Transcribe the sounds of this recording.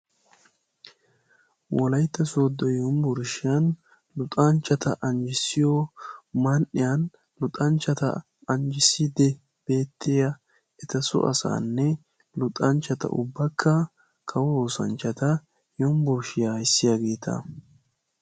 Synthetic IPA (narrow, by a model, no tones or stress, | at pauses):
wɔlɐjt̪ːɐsoːd̪ːɔjɔmbʊɾʃɪjɐn | lʊt̪ʼɐnt͡ʃːɐt̪ɐʔɐnd͡ʒɪsɪjɔmɐnʔɪjɐn | lʊt̪ʼɐnt͡ʃːɐt̪ɐ̰ | ɐnd͡ʒɪsid̪ɛ | b̥e̞ːt̪ːɪjɐ | ɛt̪ɐsʊ̰ʔɐ̰sa̰ːnːɛ | lʊt̪ʼɐnt͡ʃːɐt̪ɐ̰ʔʊ̰bːɐkʰːɐ | kʰɐwoːsɐ̰nt͡ʃːɐt̪ɐ | jɔmbʊɾʃɪjaɪsːɪjaɡe̞ːt̪ʰɐ̰